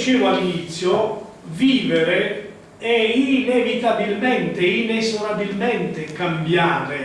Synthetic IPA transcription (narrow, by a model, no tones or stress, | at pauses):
t͡ʃiːvʊalinit̪sːjʊ | viːveɾe | ɛinevit̪abilmɛnt̪einezoɾabilmɛnt̪ɪkambjaːɾɪ